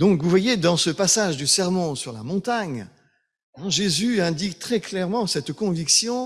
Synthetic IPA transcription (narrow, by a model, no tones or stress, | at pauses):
d̪ɔ̃kvuvwajed̪ɑ̃səpasaʒd̪ysɛʁmɔ̃syʁla̰mɔ̃t̪aɲ | ɛ̃ʒezyɛ̃d̪ikt̪χɛklɛʁmɑ̃sɛt̪kɔ̃viksjɔ̃